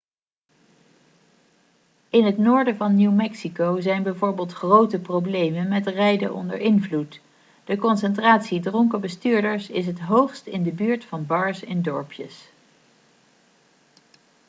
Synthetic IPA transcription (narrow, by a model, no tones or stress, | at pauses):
ɪnɦətnʊːɹdəvɑnːiwmɛksikowzɛjnbɛjvʊːɹbɪːlˠtχrowtəprowblejmənmɛtrɛjdəʔɔ̰ndə̰ɹɪnvlut | d̥əkɔnsɛntraːtsidrɔŋkəbəstyːɹdəɹsɪs̬ɦətɦowχstɪndəbyːɹtfɑnbɑɹsɪndɔɹpjə̰s